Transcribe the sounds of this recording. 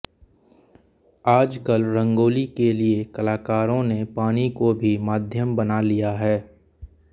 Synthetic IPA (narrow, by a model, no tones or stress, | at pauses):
aːd͡ʒkəlɾə̃ŋɡoːlikeliekɐlaːkaːɾõnepaːnikobʱimaːd̪ʱjəmbɐnalijaɦɛː